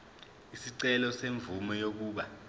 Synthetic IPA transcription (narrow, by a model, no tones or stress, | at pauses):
isiǀɛlɔseɱvumɔjok̬uːɓa